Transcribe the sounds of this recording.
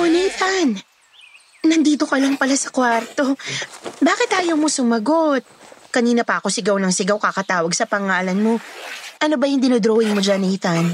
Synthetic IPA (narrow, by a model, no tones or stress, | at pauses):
onɛt̪an | ɐnd̪iːt̪o̞kɐlɐŋpɐlasɐkwaɾt̪o̞ | baːkɪt̪haːjomosʊmɐɡo̞t̪̚kɐniːnɐpɐʔɐko̞sɪɡawnɐŋsɪɡawkɐkɐt̪aːwɐɡsɐpɐŋaːlɐnmo̞ʔɐno̞bɐjʊŋd̪ɪnod̪ɾoːhɪŋmod͡ʒanɪt̪an